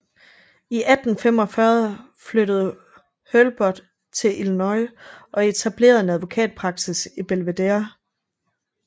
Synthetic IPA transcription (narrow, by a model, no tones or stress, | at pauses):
iʔæd̥n̩fem̰ɒ̽fɶɐðˠ | fløɾ̥əð̞̩ˠ | hølb̥ɒd̥ | t͡sʰe̝lʔilnɒɪʔɒ̽e̝t͡sʰæb̥le̝̰ːɐðˠenæð̞ˠʋo̝kʰɛ̰ːd̥̚pʰʁɑ̈ɡ̥sisib̥elʋe̝d̥eɐ